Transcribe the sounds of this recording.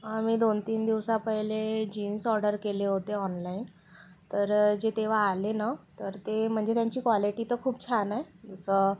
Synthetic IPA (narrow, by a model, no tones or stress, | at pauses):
amiːd̪ont̪iːnd̪iʋsapəjled͡ʑiːnsɔɾɖəɾkeleɦot̪eɔnlain | t̪əɾd͡ʑet̪eʋ̤aːlenat̪əɾt̪em̤əɳd͡zet̪jaɲt͡ɕiːkʋɔliʈiːt̪əkʰuːp̚t͡ɕʰanajd͡zəsə